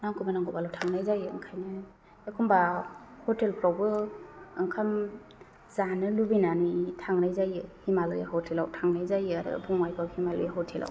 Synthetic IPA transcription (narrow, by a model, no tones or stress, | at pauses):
naŋkʰubanaŋɡɔbalawtʰaŋnajzajɯɯ̰ŋkʰajnɯ | ekʰumbahɔtelpɾawbɯː | ŋkʰam | zanɯlubinanujtʰaŋnajzajɯhimalɯjaɦɔtʰelawtʰaŋnajzajɯaɾɯ̰bʰɔŋajkʰawhimalɯ̰jaɦɔtʰelʔa̰w